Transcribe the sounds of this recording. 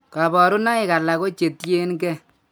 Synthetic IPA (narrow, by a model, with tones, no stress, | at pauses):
ka˨bɔ˨ɾu˦na˦ɪ˨ka˨la˨ko˦t͡ʃe˨tje˦nkɛ˦